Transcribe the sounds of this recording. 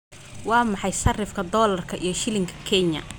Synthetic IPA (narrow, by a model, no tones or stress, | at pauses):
wɑːmɑħɑjʃɐrɪfkʰɐd̪ɔːlɐrkʰɐʔḭjɞʃɪlɪŋkʰɐ̥kʰɛɲɐ̰